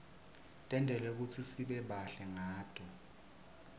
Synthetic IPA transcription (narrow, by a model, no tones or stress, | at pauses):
tʼɛndʱɛlɛk̬ut͡sʰisiɓɛɓaɬɛŋaːtʰʼɔ